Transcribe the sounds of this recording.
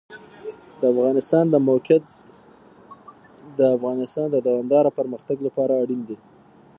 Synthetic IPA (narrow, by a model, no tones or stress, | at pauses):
d̪əafɣɑnɪst̪ɑnd̪əmawkat̪̚ | d̪əafɣɑnɪst̪ɑnd̪əd̪awɑmd̪ɑɾapəɾməxt̪aɡlapɑɾaːɽind̪i